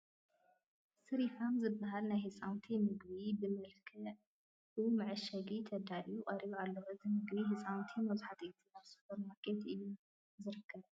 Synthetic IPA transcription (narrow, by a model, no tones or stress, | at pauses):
sɨɾifamzɨbːaɦalnajhɨsʼawnt̪ʰimɨɡβibɨmɨlkʰɨ | ɨmɨʕɨʃɐɡit̪ʰɐd̪alijuqʼɐɾiβalːɐhoɨzɨmɨɡbiɦɨsʼawnt̪ʰimɐzħat̪ʔit̪ʰinaβsɨ̥fɐɾmakʼet̪ɨjːu | zɨɾɨkʰːɐβ